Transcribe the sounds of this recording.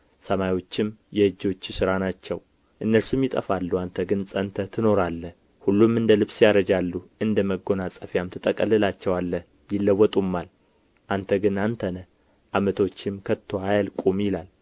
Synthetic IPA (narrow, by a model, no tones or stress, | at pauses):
səmajwo̞t͡ʃːɪmjɛɨd͡ʒːo̞t͡ʃːɪsɨɾanat͡ʃːɛw | ʔɨnːəlsumjɪt̪ʼə̰falːuant̪ʰəɡɨnsʼənt̪ʰət̪ʰɨno̞ɾalːəh | hulːumɨnd̪əlɨβsjaɾəd͡ʒalːuɨnd̪əməɡo̞nasʼəfjamt̪ʰɨt̪ʼːəkʼəlɨlat͡ʃːɛwalːəh | jɪlːəwːɔt̪ʼumːal | ʔant̪ʰəɡɨnant̪ʰənə | ʔamət̪ʰo̞t͡ʃːɪmkʰət̪ʰːoajalkʼumjɪlal